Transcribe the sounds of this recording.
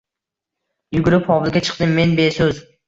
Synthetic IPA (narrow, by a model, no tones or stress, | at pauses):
jʊɡʲʊɾɪpχɒbɪlˠɡʲat͡ʃʰɨ̥qd̪ɪmːe̞nbesɵz